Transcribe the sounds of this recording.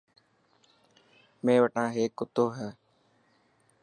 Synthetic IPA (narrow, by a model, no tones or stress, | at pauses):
mẽːʋəʈãːɦeːkːʊt̪oːɦɛː